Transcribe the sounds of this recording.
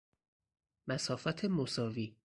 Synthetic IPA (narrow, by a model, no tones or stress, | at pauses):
mæsɒːfɒːt̪ʰe̞mosɒːviː